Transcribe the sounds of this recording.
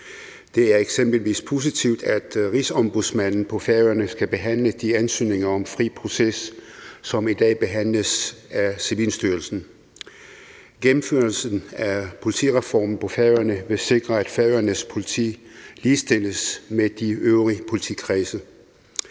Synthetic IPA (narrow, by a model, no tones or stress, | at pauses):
d̥e̝æɐeɡ̥semb̥l̩ʋḭːspʰo̝s̬it͡sʰiʊ̰d̥æd̥ʁisɒ̽mb̥uðˠsmæn̰n̩pʰɒ̽fæɐɐnəsɡ̥æb̥e̝ɦæn̰ləd̥iænsy̰ːne̝ŋɐɒ̽mfʁḭːpʰʁo̝sesː | ɒ̽mid̥ɛ̰ːb̥e̝ɦæn̰ləsæsiʋiːlsd̥yɐlsn̩ | ɡ̥emm̩føɐlsn̩æpʰo̝lit͡sʰḭːʁɛfɒ̰ːmn̩pʰɒ̽fæɐjɐnəʋe̝se̝ɡ̥ʁɐæd̥fæɐɪɐnəspʰo̝lit͡sʰḭːliːsd̥e̝l̰əsmed̥iøʊʁipʰo̝lit͡sʰḭkʰʁiːsə